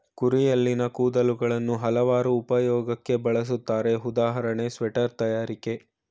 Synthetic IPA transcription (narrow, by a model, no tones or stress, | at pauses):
kuɾijɐlːinɐkuːd̪ɐluɡɐɭɐnːuɦɐlɐʋaːɾuːpɐjɔːɡɐkːe̞bɐɭɐs̬ut̪ːaːɾe̞ud̪aːɦɐɾɐɳe̞sʋɛʈɐɾt̪ɐjaːɾike